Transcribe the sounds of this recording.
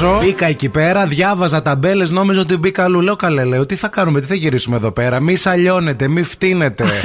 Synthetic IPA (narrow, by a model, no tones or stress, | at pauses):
o̞ikɐecipe̞ɾɐðʝɐvɐzɐt̪ɐbe̞le̞zno̞mizoot̪ibikɐlule̞okɐleleot̪iθɐkɐnumet̪iθɐʝiɾisumeðo̞pe̞ɾɐmisɐʎo̞ne̞t̪e̞mift̪ine̞t̪e̞